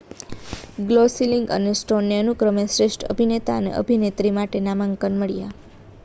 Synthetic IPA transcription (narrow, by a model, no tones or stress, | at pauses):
ɡlosiliŋɡə̰nesʈonjəənukɾəmesɾeʃʈʰə̰bʱinet̪aənḛʔə̰bʱinet̪ɾimaʈenamaŋkənməɭija